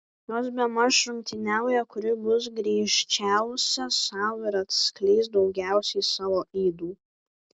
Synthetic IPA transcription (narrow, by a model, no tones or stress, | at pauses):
joːs̬bʲɛmɐsʃɾʊŋʲkʲt̪ʲɪnʲæˑʊjɛkʊɾʲɪbʊs̬ɡɾʲɛːʃʲt͡ʃʲæˑʊsʲɛsɑˑʊɪɾɐt̪sklʲɛɪsd̪ɒʊɡʲæˑʊsʲɛɪsɑːʋoːiːd̪uː